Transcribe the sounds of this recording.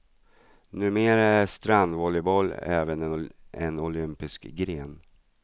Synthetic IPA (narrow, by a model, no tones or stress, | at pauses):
nʉ̟ːmeːɾaæʂt̪ɾand̪vɔlɪbɔlːɛːvənɛnʊlʏmpɪskɡɾeːn